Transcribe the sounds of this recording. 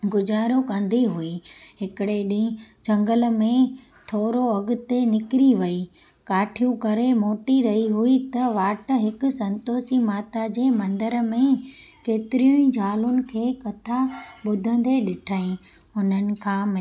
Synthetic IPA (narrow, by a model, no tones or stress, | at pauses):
ɡʊd͡ʑaːɾokɐ̃nd̪ʱiɦʊiɦɪkɪɽeɗĩd͡ʑɐ̃ŋɡəl̆mẽ | t̪ʰoːɾoɐɡʊ̆t̪enɪkɪɾiʋɐi | kaːʈʰijũkɐɾemoːʈiɾɐɦiɦuit̪ɐʋaːʈə̆ɦɪkʊ̆sɐ̃nt̪oːsimaːt̪ad͡ʑeːmɐ̃nd̪əɾmẽkeːt̪ɪɾijʊ̃ĩd͡ʑʱaːlʊnɪ̆kʰeːkɐt̪ʰaɓʊd̪ʱə̃nd̪eɗɪʈʰaːĩ | ʊn̤ənɪ̆kʰãːmɪ